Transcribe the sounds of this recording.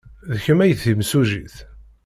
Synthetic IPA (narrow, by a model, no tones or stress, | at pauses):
ðəçəmæjəθimsuʒiθ